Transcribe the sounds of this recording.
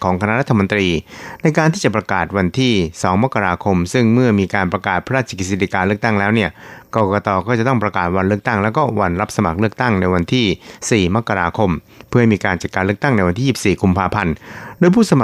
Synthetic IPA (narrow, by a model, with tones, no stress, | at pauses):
kʰɔː˩˦ŋkʰa˧na˦˥ʔɾa˦˥t̪ʰːa˧mo˧nt̪ɾiː˧na˧jkaː˧nt̪ʰiː˥˩t͡ɕa˨˩p̚ɾa˧kaː˨˩t̪̚wa˧nt̪ʰiː˥˩sɔː˩˦ŋma˦˥kːa˧ɾaː˧kʰo˧msɯ˥˩ŋmɯ˥˩ɐmiː˧kaː˧npɾa˧kaː˨˩t̪̚pʰa˧˦ɾaː˥˩t̪̚t͡ɕʰːa˧ki˧si˧t̪i˧˩kaː˧nlɯ˥˩ək̚t̪a˥˩ŋlɛː˦˥wni˥˩ɐkɔː˧kɔː˧t̪ɔː˧kɔː˥˩t͡ɕa˨˩t̪ɔ˥˩ŋpɾa˧kaː˨˩t̪̚wa˧nlɯ˥˩ək̚t̪a˥˩ŋlɛː˦˥wkɔː˥˩wa˧nɾa˦˥p̚sa˧ma̰˨˩k̚lɯ˥˩ək̚t̪a˥˩ŋna˧jwa˧nt̪ʰiː˥˩siː˨˩ma˦˥kːa˧ɾaː˧kʰo˧m | pʰɯ˥˩ɦa˥˩jmiː˧kaː˧nt͡ɕa˨˩kaː˧nlɯ˥˩ək̚t̪a˥˩ŋna˧jwa˧nt̪ʰiː˥˩si˩p̚siː˨˩kʰu˧mpʰaː˧pʰa˧ndoː˧jpʰuː˥˩sa˧ma˨˩